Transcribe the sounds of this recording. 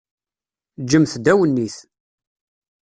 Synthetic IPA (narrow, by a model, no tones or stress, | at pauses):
d͡ʒəmθd̪æwənːiθ